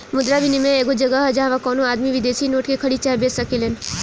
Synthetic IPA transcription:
mʊd̪ɾabinimẽeːɡod͡ʒɐɡəɦd͡ʒaɦãʋãkɔːnõaːd̪miʋɪd̪eːsinoːʈkekʰɐɽit͡ʃaːjbeːsɐkelen

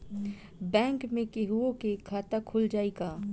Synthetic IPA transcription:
bɛ̃ːŋkmẽkeɦuõkekʰaːt̪akʰʊld͡ʒaːiɡaː

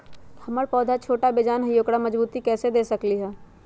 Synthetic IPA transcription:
hɐməɾpɔːd̪ʱat͡ʃʰoːʈabeːd͡ʒaːnɦɐjoːkɽamɐd͡ʒbuːt̪ikɛːsed̪eːsɐkliɦɛː

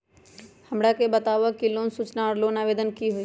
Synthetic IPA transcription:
hɐmɽakebət̪aːʋakilõːnsut͡ʃnaːɾloːnaːʋeːd̪ənkiɦʊi

